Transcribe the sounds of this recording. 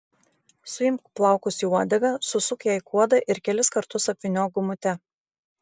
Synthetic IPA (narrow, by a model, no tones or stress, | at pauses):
sʊɪmkplˠɑˑʊkʊsʲiuɔd̪ʲɛɡɐsʊsʊkjɛˑɪkʰuɔd̪ɐʔɪɾkʲɛlʲɪskɐɾt̪ʊsɐpʲʋʲɪnʲoːɡʊmʊt̪ʲɛ